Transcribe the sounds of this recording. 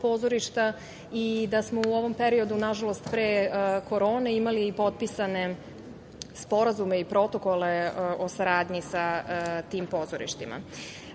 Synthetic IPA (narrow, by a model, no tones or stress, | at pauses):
po̞ːzo̞ɾiʃt̪a | id̪asmo̞uo̞ʋo̞mpe̞ɾio̞d̪unaʒalo̞st̪pɾeːko̞ɾo̞ːneimaliːpo̞t̪̚pisane̞ | spo̞ɾazume̞ipɾo̞t̪o̞ko̞le̞o̞saɾaːd̪ɲisat̪iːmpo̞ːzoɾḭʃt̪ima̰